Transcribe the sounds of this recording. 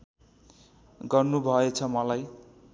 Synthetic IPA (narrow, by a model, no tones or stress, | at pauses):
ɡʌrnubʱʌet͡sʰʌmʌlaj